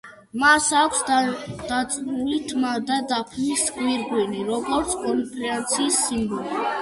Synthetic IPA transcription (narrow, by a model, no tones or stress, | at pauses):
masakʷʰsd̪̥at̪sʼmulit̪ʰmaɾd̪ad̪apʰniskʼwiɾɡwiniɾɔɡɔɾt̪sʰkʼɔɾipʼɾɛant̪sʰiːsːimbɔli